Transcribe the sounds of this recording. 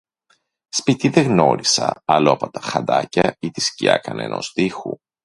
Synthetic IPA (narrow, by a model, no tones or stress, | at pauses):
spit̪iðeɣno̞ɾisɐ̰ɐloɐpo̞t̪ɐ̥xɐnd̪ɐcɐit̪iscḭɐ̰kɐnḛnʔo̞̰zt̪ixṵ